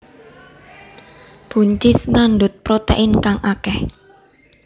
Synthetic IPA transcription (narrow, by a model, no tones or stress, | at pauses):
b̥ṳɲt͡ʃɪsnanɖʊt̪̚pɾot̪ḛʔɪnkaŋʔakɛh